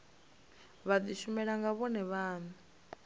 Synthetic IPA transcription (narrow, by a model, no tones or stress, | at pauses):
βad̪iʃumɛɺaŋɡaβɔnɛβaːnu